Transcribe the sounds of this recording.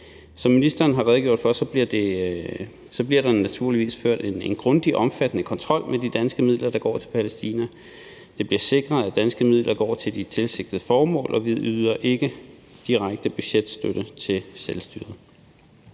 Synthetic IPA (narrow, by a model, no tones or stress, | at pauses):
sɒ̽mːinisd̥ɐːnɦɑ̈ʁɛðˠɡ̥o̝ɐ̰̥fɶsɒ̽b̥liɐd̥e̝ | sɒ̽b̥liɐ̰ɾ̥ɑ̈næt͡sʰuɐ̰liʋḭːsføɐ̰d̥enenɡ̥ʁɔ̽nd̥iʔɒ̽mfæd̥ənəkʰɒ̽nt͡sʰʁɒ̽l̰mʔed̥id̥ænsɡ̥əmið̞̰ˠlɐd̥ɑ̈ɡ̥ɒ̰ːt͡sʰe̝lpʰælesd̥ḭːnæ | d̥e̝b̥liɐse̝ɡ̥ʁɐð̩ˠæd̥ænsɡ̥əmið̞̰lʔɐɡ̥ɒ̰ːt͡sʰe̝ld̥it͡sʰe̝lse̝ɡ̥̚d̥ð̩ˠəfɒːmɔ̰̽ːlʔɒ̽ʋiðˠyðˠɐʔe̝ɡ̥əd̥iʁaɡ̥̚d̥əb̥yɕed̥sd̥øɾ̥ət͡sʰe̝lselsd̥yːɐð̩ˠ